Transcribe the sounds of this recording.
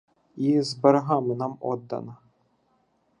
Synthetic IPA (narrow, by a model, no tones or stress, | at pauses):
izbɐɾɐɦɑmɪnɑmɔ̰d̪ːɐ̰nɐ